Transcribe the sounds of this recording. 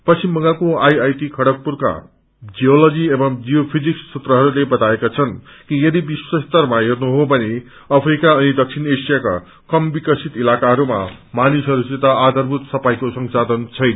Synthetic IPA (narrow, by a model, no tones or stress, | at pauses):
pʌsimbʌŋɡakoajajʈikʰʌɽʌk̚purka̰ | d͡ziolʌd͡ziebʌmd͡zijopʰid͡zikssut̪rʌɦʌɾulebʌt̪aekat͡sʰʌnkijʌd̪ibiswʌst̪ʌrmaɦernuɦobʱʌne | ʌpʰrikaʌnid̪ʌk̚sʰinesijaka̰ | kʌmbikʌsit̪ilakaɦʌɾuma̰manisʌɾuset̪ʌad̪ʌrbʱut̪sʌpajkosʌŋsad̪ʌnt͡sʰʌjna